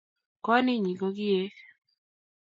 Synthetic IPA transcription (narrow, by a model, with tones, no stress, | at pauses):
kɔ˦nɪ˦ɲi˨ɡo˦ɡɪ˦e˦